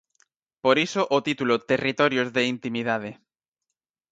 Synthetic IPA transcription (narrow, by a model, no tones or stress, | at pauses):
poɾisoʔot̪it̪ulot̪erit̪oɾjozðeint̪imiðað̞e